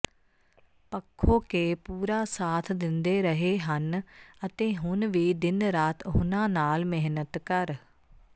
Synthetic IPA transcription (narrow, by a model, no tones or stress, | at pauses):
pəkʰːoːkeːpuːɾaːsaːt̪ʰd̪ɪnd̪eːɾəɦeːɦənət̪ẽːɦʊnʋiːd̪ɪnɾaːt̪ɦʊnãːnaːlmɪɦnət̪kəɾ